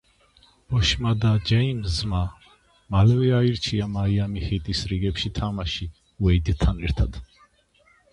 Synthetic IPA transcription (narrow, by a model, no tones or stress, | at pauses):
b̥ɔʃmad̪ad͡ʒɛimzma | malɛvɛaiɾt͡ʃʰiamaiamihid̪isɾiɡɛpʃit̪ʰamaʃi | wɛid̪t̪ʰːanɛɾt̪ʰad̪̥